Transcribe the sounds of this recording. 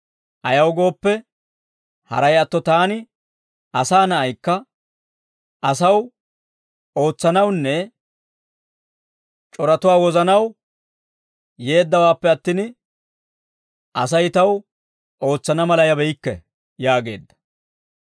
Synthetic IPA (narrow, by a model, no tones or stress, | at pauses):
ʔɐjɐwɡo̞ːpːɛ | hɐ̰ɾɐjɐt̪ːɔt̪aːnɪ | ɐsaːnɐʔɐjkːɐ | ʔɐsɐw | o̞ːt͡sːɐnɐwnːɛ | t͡ʃʼɔɾɐt̪ʊwaːwɔzɐnɐw | je̞ːd̪ːɐwaːpːɛɐt̪ːɪn | ʔɐs̬ɐjt̪ɐw | ʔo̞ːt͡sːɐnɐmɐlɐjɐbɛjɪkːɛ̰ | jaːɡe̞ːd̪ːɐ̥